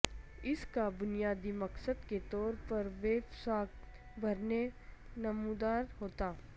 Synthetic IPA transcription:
ɪskabʊnijaːd̪imɐksəd̪ket̪ɔːɾpɐɾʋeːbsaːk | bʱɐɾnenɐmud̪aːɾɦoːt̪aː

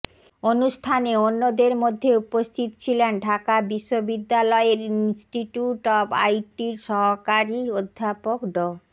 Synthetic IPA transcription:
onuʃʈʰaneonːod̪eɾmod̪ʱːeupost̪ʰit̪o̥t͡ɕʰilenɖʱakabiʃːobid̪ːalɔeeɾinsʈiʈjuʈɔpa̰jʈiɾʃɔɦokaɾiod̪ʱːapokɖɔ

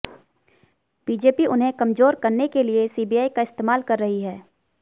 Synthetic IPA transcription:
b̥iːd͡ʒeːpiʔʊnɦẽkɐmzoːɾkɐɾnekeliesiːbiaːikaɪst̪eːmaːlkɐɾːɐɦiɦɛː

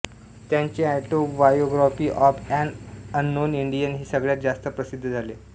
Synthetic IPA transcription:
t̪jaɲt͡ɕeaʈobajoɡɾɔfiːʔɔpɛ̃ɳənːoniɳɖijənɦiːsəɡɭjat̪̚d͡zast̪əpɾəsid̪ʱːəd͡zʱaleː

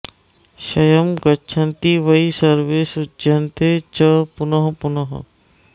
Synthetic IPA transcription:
ʃɐjɐmɡɐtːt͡ʃʰɐnt̪iʋɐisɐɾʋeːsʊdd͡ʒɐnt̪et͡ʃɐpʊnɐɦpʊnɐɦ

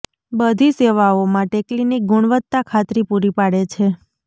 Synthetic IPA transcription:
bəd̪ʱiseʋaomãʈeklinik̚ɡʊɳʋət̪ːakʰat̪ɾipuɾipaɽet͡ʃʰe

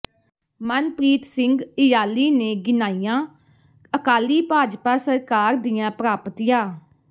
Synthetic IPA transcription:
mənpɾiːt̪sɪŋɡɪjaːliːneːɡɪnaːijãː | əkaːliːpaːd͡ʒpaːsəɾkaːɾd̪ɪjãːpɾaːpət̪ijãː

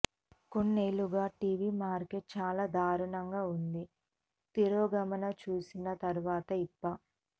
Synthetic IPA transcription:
ko̞nːeːluɡaːʈiːʋiːmaːɾkeʈ̚t͡ʃaːlaːd̪ʱaːɾuɳɐŋɡaːund̪i | t̪iɾoːɡɐmɐnɐt͡ʃuːsinɐt̪ɐɾuʋaːt̪ɐipːɐ

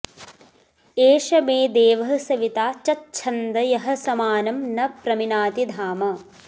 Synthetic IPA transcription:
eːʃɐmeːd̪eːʋɐɦɐsɐʋit̪aːt͡ʃɐtːt͡ʃʰɐnd̪ɐjɐɦɐ̆sɐmaːnɐmnɐpɾɐminaːt̪id̪ʱaːmɐ

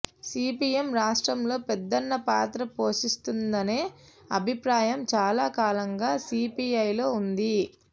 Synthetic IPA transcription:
siːpiemɾaːʂʈɾɐmlo̞ːpɛd̪ːɐnːɐpaːt̪ɾɐpoːʂist̪und̪ɐne̞ː | ɐ̰bʱipɾaːjɐmt͡ʃaːlaːkaːlɐŋɡaːsiːpiɐjlo̞ːund̪i

